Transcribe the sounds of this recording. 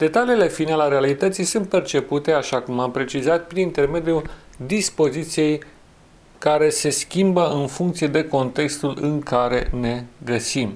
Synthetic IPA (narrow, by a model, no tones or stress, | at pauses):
d̪̥e̞t̪aliːle̞finaleaɾealit̪ət̪sijsunt̪̚pe̞rt͡ʃe̞put̪e̞aʃakumampɾe̞t͡ʃizat̪̚pɾinint̪e̞rme̞d̪juld̪ispo̞zit̪sije̞j | kaɾe̞se̞skʲimbəɨnfuŋkt̪sijed̪e̞ko̞nt̪e̞kst̪ulɨŋkaɾe̞ne̞ɡəsim